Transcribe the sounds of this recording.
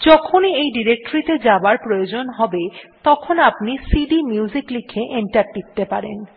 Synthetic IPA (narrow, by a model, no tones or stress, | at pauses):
d͡ʑɔkʰoniejɖiɾek̚ʈoɾit̪ed͡ʑabaɾpɾojod͡ʑonɦɔbet̪ɔkʰonapnisiɖimjuziklikʰeʔenʈaʈːik̚t̪epaɾḛn